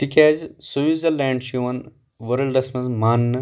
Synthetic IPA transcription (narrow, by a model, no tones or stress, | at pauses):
ʈ̪ikʲaːd͡ʒsuʋizɐlːɛːɳɖʃiʋɐn | ʋɐɾɐlɖɐsmɐzmaːnːɨ